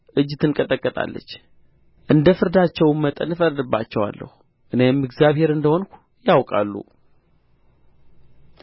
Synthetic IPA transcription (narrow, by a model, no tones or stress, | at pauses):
ʔɨd͡ʒːt̪ɨnkʼət̪ʼəkʼːət̪ʼa̰lːə̰t͡ʃː | ʔɨnd̪əfɨɾd̪at͡ʃːɛwmmət̪ʼə̰nɨfəɾd̪ɨbːa̰t͡ʃːɛwa̰lːə̰hu | ʔɨne̞mɨɡzjaβhe̞ɾɨnd̪əho̞nkʰʷu̥ | jawkʼa̰lːṵ